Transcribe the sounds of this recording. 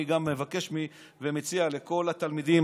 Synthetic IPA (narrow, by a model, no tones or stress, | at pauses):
iɡamːe̞vake̞ʃmi | vemet͡siale̞ko̞lat̪almid̪im